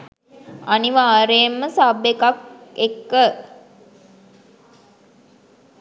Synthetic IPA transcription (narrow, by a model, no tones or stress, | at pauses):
aniʋaːɾeːmːəsabekakekːə